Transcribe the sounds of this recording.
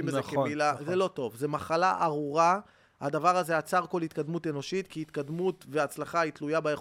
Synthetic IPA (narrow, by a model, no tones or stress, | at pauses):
imbeekeilazelo̞t̪o̞vzemaχalaʔaʁuʁa | ha̰d̪avaʁazeat͡saʁko̞lhit̪kad̪mut̪e̞no̞ʃit̪kiit̪kad̪mut̪veat͡slaχait̪lujabaeχ